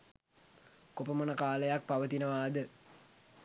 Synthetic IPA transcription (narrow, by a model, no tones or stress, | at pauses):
kopəmənəkaːləjak̚paʋət̪inəʋaːd̪ə